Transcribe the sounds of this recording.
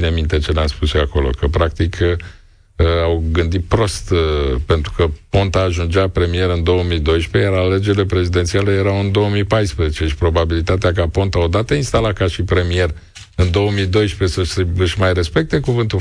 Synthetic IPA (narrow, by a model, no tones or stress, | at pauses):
inemint̪e̞t͡ʃe̞namspuseako̞lo̞̰kəpɾak̚t̪ikʰ | awɡɨnd̪it̪̚pɾo̞st̪pe̞nt̪ɾukəpo̞nt̪aːʒund͡ʒapɾe̞mie̞ɾɨnd̪o̞əmid̪o̞jʃpe̞jaɾaled͡ʒe̞ɾile̞pɾe̞zid̪e̞nt̪sialəje̞ɾawɨnd̪o̞omipajspɾəzet͡ʃe̞ʃi̥pɾo̞babilit̪at̪eak̬apo̞nt̪ao̞d̪at̪əinst̪alakaʃipɾe̞mie̞r | ɨnd̪o̞əmid̪o̞jʃpe̞səseɨʃmajre̞spe̞k̚t̪e̞kuvɨnt̪u